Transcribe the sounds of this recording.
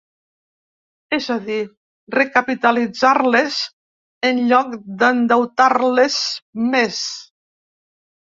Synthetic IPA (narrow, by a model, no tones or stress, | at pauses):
ɛzaði | rekəpit̪əlid͡zaɾlez | ənʎɔk̚d̪ənd̪əwt̪aɾlezmes